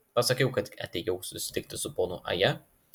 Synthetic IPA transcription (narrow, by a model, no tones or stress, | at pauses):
pɐsɐkʲɛʊkɐt̪ɐ̰t̪ʲɛjɛʊsʊsʲɪ̥t̪ʲɪk̚t̪ʲɪsʊpoːnʊʔɐ̰jɛ